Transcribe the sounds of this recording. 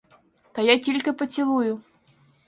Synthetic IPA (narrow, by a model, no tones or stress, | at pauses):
t̪ɐjatʲilʲkəpət͡sʲilˠujʊ